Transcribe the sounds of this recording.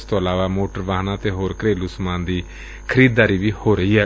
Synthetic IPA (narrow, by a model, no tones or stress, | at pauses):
st̪õːəlaːʋaːmoːʈəɾʋaːɦnãːt̪eːɦoːɾkɾeːlʊsmãːnd̪iː | kʰəɾiːd̪̚dːaːɾiːbiːhoːɾəɦiːɦɛː